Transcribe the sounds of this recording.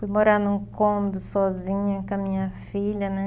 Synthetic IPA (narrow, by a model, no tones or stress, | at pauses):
fujmoɾanũkõmd̪ʊsɔzĩɲẽkɐmĩɲɐfiʎɐnɛ